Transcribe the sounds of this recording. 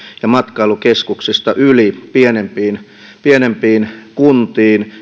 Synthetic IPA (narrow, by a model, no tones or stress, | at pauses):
jɑmɑt̪kɑilukeskuksist̪ɑʔylipienempiːn | pienempiːnkunt̪iːn